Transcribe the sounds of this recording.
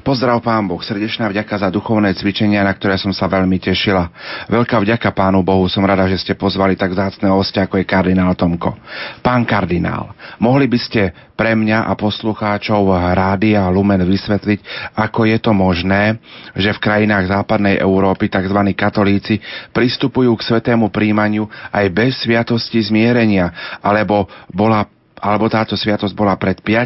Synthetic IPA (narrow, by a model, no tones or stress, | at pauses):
pɔzd̪ɾaʊpaːnbɔxsr̩ɟɛt͡ʃnaːvɟakazad̪uxɔʊnɛːt͡sʋit͡ʃɛɲɪanak̚t̪ɔɾɛːsɔmsaʋɛʎmicɛʃilaʋɛʎkaːvɟakapaːnubɔɦusɔmɾad̪aʒɛscɛpɔzʋalit̪aɡvzaːt͡snɛːɦɔscɛakɔjɛkaɾd̪inaːlt̪ɔmkɔ̰paːnkaɾd̪ina̰ːlmɔɦlibiscɛ | pɾɛmɲaʔa̰pɔsluxaːt͡ʃɔʊɾaːd̪iaɦlumɛnʋisʋɛt̪licakɔjɛt̪ɔmɔʒnɛːʒɛfkɾajinaːɣzaːpad̪nɛjʔɛ̰ʊɾɔːpit̪aɡzʋaniːkat̪ɔliːt͡sipɾist̪upujuːksʋɛt̪ɛːmupɾiːmaɲɪuajbɛsːʋɪat̪ɔscizmɪɛɾɛɲɪaʔalɛbɔbɔla | ʔalɛbɔt̪aːt̪ɔsʋɪat̪ɔzɟbɔlapɾɛt̪pɪa